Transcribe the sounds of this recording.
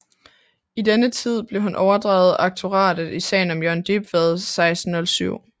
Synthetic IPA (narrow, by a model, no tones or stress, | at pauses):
id̥enət͡sʰið̞̰ˠb̥le̝ɦunʔɒʊɐd̥ʁɑ̈ʊð̩ˠɑ̈ɡ̥̚t͡sʰo̝ʁɑ̰̈ːd̥ð̩ˠisɛ̰ɪn̩ɒ̽mjøɐnd̥ib̥ʋæð̞ˠsɑ̈ɪsd̥n̩ɔ̽lsyʊ̰